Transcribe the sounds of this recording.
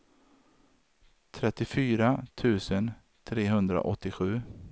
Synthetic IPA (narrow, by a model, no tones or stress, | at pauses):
t̪ʰɾɛt̪ːɪfyːɾat̪ʰʉ̟ːsən | t̪ʰɾeːɦɵnd̪ɾa̰ʔɔt̪ːɪɧʉ̟ː